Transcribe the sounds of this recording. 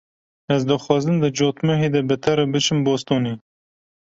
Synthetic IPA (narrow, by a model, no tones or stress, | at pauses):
ɛzd̪ɨxwɑːzɨnd̪ɨd͡ʒoːt̪mɨɦeːd̪ɛbɨt̪ʰɐɾɨbɨt͡ʃɨmboːst̪oːniː